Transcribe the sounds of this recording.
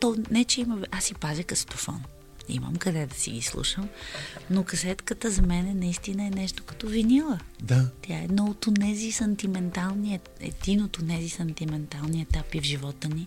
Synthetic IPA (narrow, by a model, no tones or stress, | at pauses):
t̪ɔnɛt͡ʃɛimɐvʔasipazʲikɐst̪ofɔ̰n | ḭmə̰mkɐd̪ɛd̪ɐsḭɡislˠṵʃəmnokɐsɛt̪kət̪əzɐmɛnɛnɐist̪inəɛnɛʃt̪o̥kɐ̥t̪ɔvinilˠə | d̪at̪jaɛd̪nɔot̪onɛzisɐnt̪imɛnt̪alˠniɛ | ɛ̰d̪inot̪onɛzisɐnt̪imɛnt̪alˠniɛt̪apivʒivɔt̪əni